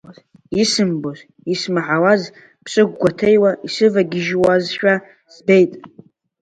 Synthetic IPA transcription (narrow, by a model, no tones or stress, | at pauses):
isɨmboz | ismaʕawaz | pʰsʼɨɡʷɡʷatʰe̞jwaisɨvaɡʲɪʒwazʃᶣa | z̥be̞jtʼ